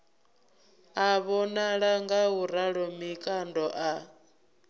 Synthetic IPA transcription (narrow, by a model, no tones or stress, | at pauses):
aβɔnaɺaŋɡauɾaɺɔmikʼandɔʔa